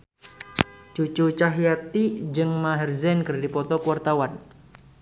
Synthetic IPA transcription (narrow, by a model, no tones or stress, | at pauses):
t͡ʃut͡ʃut͡ʃaɦiat̪id͡ʒɨŋmaɦɛrzɛnkɨrdipɔt̪ɔkuwart̪awan